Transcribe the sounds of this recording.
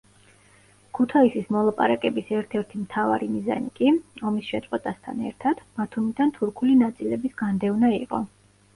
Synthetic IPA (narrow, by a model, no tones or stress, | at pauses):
kʰut̪ʰaisismɔlˠapʼa̰ɾakʼɛbisɛɾt̪ʰɛɾt̪ʰimt̪ʰava̰ɾimiza̰nikʼiɔmisʃɛt̪sʼqʼwɛt̪ʼast̪ʰa̰nɛ̰ɾt̪ʰad̪̥bat̪ʰumid̪ant̪ʰuɾkʰulinat̪sʼilɛbisɡ̥and̪ɛvnaiqʼɔ̰